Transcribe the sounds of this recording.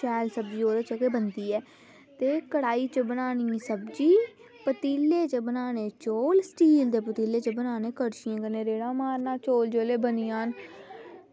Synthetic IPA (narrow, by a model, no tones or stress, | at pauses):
t͡ʃɛːlsəbd͡ʒiːoːɾeːt͡ʃəkeːbənd̪iːɛː | t̪eːkəɽaːiːt͡ʃəbənaːnĩːsəbd͡ʒiː | pət̪iːleːt͡ʃəbənaːneːt͡ʃoːlsʈiːld̪eːpət̪iːleːt͡ʃəbənaːneːkəɽʃɪjãːkəneːɾeːɽaːmaːɾnaːt͡ʃoːld͡ʒoːleːbənɪːãːn